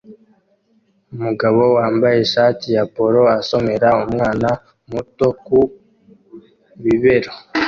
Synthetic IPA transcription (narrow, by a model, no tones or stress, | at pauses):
umuɡaβo̞waːmbaje̞ʃaːtijapo̞ɾo̞aso̞me̞ɾaumŋaːna | muto̞ku | βiβe̞ɾo